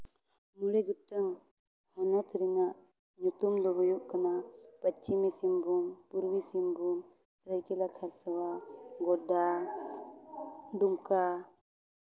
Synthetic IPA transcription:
muɾeɡutəŋ | hɔnɔt̪ʰɾiŋaʔ | ɲut̪umd̪ɔɦɔjuʔkanapat͡ʃimesimbumpuɾwisimbum | sɾajkɛlakʰaɾsawaɡɔda | d̪umka

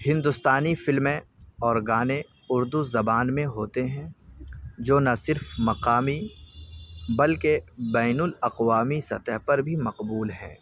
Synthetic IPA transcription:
hɪ̃nd̪ʊst̪aːnifɪlmẽɔːɾɡaːne | ʊɾd̪uzɐbaːnmẽɦoːt̪eɦɛ̃ | d͡ʒoːnɐsɪɾfmɐqaːmi | bɐlkebɛːnʊlɐqwaːmisɐt̪əɦpɐɾbʱimɐqbuːlɦɛ̰̃ː

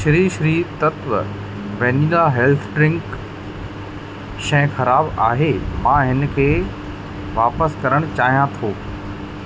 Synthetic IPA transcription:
ʃɾiːʃɾiːt̪ɐt̪ʋə | ʋɐniːlaɦeːlt̪ʰɖɾɪ̃ŋk | ʃɐ̃xɐɾaːbaːɦemãːɦɪnkʰeː | ʋaːpəskɐɾəɽ̃t͡ɕaːɦijãt̪ʰoː

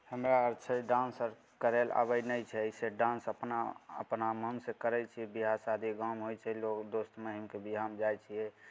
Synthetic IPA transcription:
həmɾaəɾt͡ʃʰəɖãnsəɾ | kəɾela̰bəjnəjt͡ʃʰɛseɖãnsəpnaə̰pnaməmsekəɾɛt͡ʃʰiɛbiɦasad̪ʱiɡamɦojt͡ʃʰɛlokd̪ost̪meɦimkebiɦamd͡ʒajt͡ʃʰijɛ

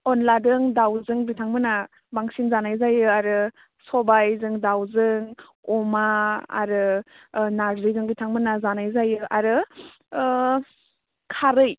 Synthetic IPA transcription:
ɔnladɯŋdawzɯŋbitʰaŋmɯna | baŋsinzanajzajɯaɾɯ | sɔbajzɯŋdawzɯŋ | ɔmaa̰ɾɯ | naɾzɯjzɯŋbitʰaŋmɯnazanajzajɯʔaɾɯ | kʰaɾɯj

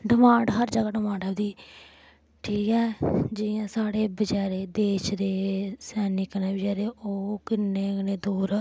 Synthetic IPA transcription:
ɖɪmãːɳɖɦəɾd͡ʒəɡaːɖɪmãːɳɖɛːbd̪iː | ʈʰiːkɛːd͡ʒɪjãːsaːɽeːbəd͡ʒaːɾeːd̪eːʃd̪eːsɛːnɪknẽːbɪd͡ʒaːɾeːoːkɪneːneːd̪uːɾ

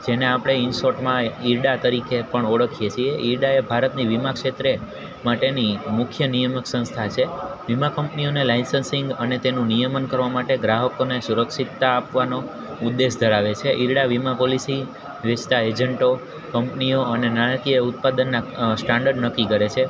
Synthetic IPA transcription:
d͡ʒeneapɽ̃einsoʈmãiɾɖat̪əɾikepəɳɔɽəkʰijet͡ʃʰieʔiɾɖaebʱaɾət̪niʋimakʃet̪ɾe | maʈenimʊkʰjənijəməksə̃ñst̪ʰat͡ʃʰeʋimakəmpnionelainsənsɪŋɡənet̪enũnijəmənkəɾʋamaʈeɡɾaɦəkonesuɾəkʃit̪ːaːpʋano | ud̪ːesd̪ʱəɾaʋet͡ʃʰeʔiɾɖaʋimapolisi | ʋet͡ʃt̪aed͡ʒəɳʈo | kəmpnijoənenanakiəut̪pad̪ənːasʈaɳɖəɾɖnəkikəɾet͡ʃʰe

